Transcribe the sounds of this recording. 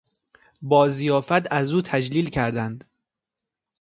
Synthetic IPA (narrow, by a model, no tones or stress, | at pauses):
bɒːzijɒːfæt̪æzuːt̪ʰæd͡ʒliːlcʰæɾd̪ænd̪